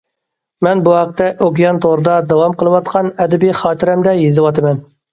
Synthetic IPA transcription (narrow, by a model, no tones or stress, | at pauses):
mɛnbuhɑqt̪ːɛʔokʲijɑnt̪ʰoɾɨd̪ɑd̪ɑwɑmqəlˠɨwɑt̪̚qʰɑnɛd̪ɛbiχɑːt̪ʰɪɾɛmd̪ɛjezɨwɑt̪ɨmɛn